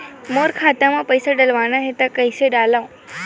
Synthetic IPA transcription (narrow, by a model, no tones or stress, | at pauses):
moɾkʰat̪amãpəjsaɖəlʋanaɦet̪akəjseɖalaũ